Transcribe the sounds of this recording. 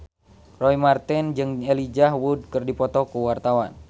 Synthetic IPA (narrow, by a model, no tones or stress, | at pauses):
rɔimart̪ɛnd͡ʒɨŋelid͡ʒahwud̚kɨrdipɔt̪ɔkuwart̪awan